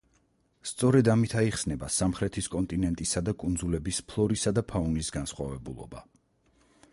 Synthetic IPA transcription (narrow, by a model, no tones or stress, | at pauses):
st̪sʼɔɾɛd̪amit̪ʰaiχsnɛbasamχɾɛt̪ʰiskʼɔnt̪ʼinɛnt̪ʼisad̪akʼund̪zulɛbispʰlˠɔɾisad̪apʰaunisɡansχwa̰vɛbulˠɔ̰ba̰